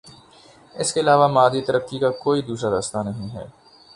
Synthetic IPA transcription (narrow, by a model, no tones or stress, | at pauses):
ɪskeɪlaːʋamaːd̪it̪ɐɾəkːikakoːid̪uːʃad̪ɐst̪anɐɦĩɦɛ̰ː